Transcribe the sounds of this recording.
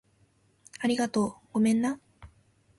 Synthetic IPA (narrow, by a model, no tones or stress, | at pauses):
aɾʲiɡat̪o̞ːɡ̥o̞mẽ̞nːa